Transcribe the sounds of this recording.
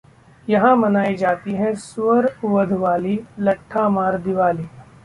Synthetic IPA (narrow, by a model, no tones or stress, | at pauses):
jɐɦãmɐnaːid͡ʒaːt̪iɦɛ̃sʊəɾʊʋəd̪ʱʋaːlilɐʈʰːamaːɾd̪ɪʋaːliː